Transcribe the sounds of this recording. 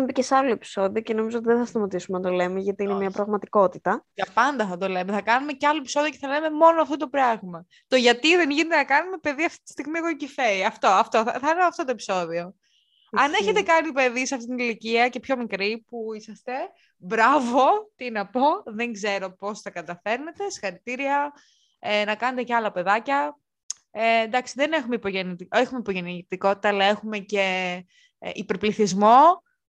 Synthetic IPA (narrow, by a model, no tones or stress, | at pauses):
mepicesɐloe̞pi̥so̞ðio̞ceno̞mizoot̪iðenθɐst̪ɐmɐt̪isumnɐt̪o̞le̞meʝɐt̪iinemiɐpɾɐɣmɐt̪iko̞t̪it̪ɐɐpɐnd̪ɐθɐt̪o̞le̞meθɐkɐnume̞ceɐlo̞e̞piso̞ðio̞ceθɐle̞me̞mo̞noɐft̪ot̪o̞pɾɐɣmɐ | t̪o̞ʝɐt̪iðe̞nʝinet̪enɐkɐnume̞pe̞ðiɐft̪i̥t̪i̥st̪iɣmiekocife̞iɐft̪o̞ɐft̪o̞ɐ̰θɐlemɐft̪o̞t̪oe̞pi̥so̞ðio̞ | ɐne̞çe̞t̪e̞kɐnipe̞ðisɐft̪it̪iniliciɐce̞pço̞mikɾipuisɐst̪e̞ | bɾɐvo̞t̪inɐpo̞ðe̞ŋɡze̞ɾo̞po̞st̪ɐkɐt̪ɐfe̞ɾne̞t̪e̞se̥xɐɾit̪iɾiɐ | enɐkɐne̞t̪eceɐlɐpe̞ðɐcɐ | end̪ɐksiðene̞xumeipoʝenit̪exumeipo̞ʝe̞nit̪iko̞t̪it̪ɐːlɐe̞xume̞ce̞̰ | ʔipeɾpliθizmo̞